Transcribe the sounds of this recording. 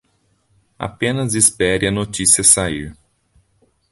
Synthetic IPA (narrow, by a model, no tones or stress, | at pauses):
a̰pẽnɐzispɛɾɪɐnot͡ʃisiɐsaiw